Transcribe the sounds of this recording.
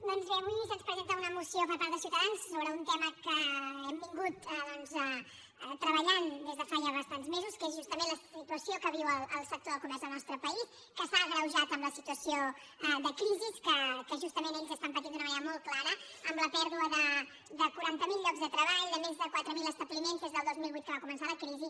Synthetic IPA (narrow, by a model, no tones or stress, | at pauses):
d̪ɔnzβeəβuisənspɾəzent̪əunəmusiopəɾpaɾt̪ðəs̬iwt̪əðanssoβɾəunt̪ɛməkəɛmbiŋɡut̪ðɔnzə | t̪ɾəβəʎand̪ezðəfaʒaβəst̪anzmezuskezʒust̪əmenləsit̪uəsiokəβ̞iwəlˠəlˠsək̚t̪oðəlˠkumɛɾzðəlˠnɔst̪ɾəpəis | kəsaɣɾəwʒat̪əmləsit̪uəsio | ðəkɾiziskəkəʒust̪əmẽneʎzəst̪ampət̪ind̪unəβajəmolˠt̪̚klaɾə | əmləpɛɾðuəðə | d̪əkuɾant̪əmilˠʎɔkzðət̪ɾəβaʎðəmezðəkwat̪ɾəmiləst̪əβlimenzdezðəlˠd̪ozmilˠβit̪kəβakumənsaləkɾizi